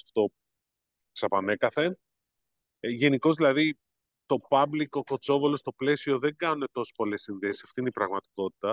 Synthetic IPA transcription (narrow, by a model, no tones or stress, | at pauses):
ft̪o̞ | ksɐpɐne̞kɐθe̞n | ʝe̞niko̞zðilɐði | t̪o̞pɐblikoko̞t͡so̞volo̞st̪o̞ple̞sio̞ðe̞ŋɡɐnune̞t̪o̞se̥spo̞le̞sːinðe̞si̥sɐft̪ineipɾɐɣmɐt̪i̥ko̞t̪i̥t̪ɐ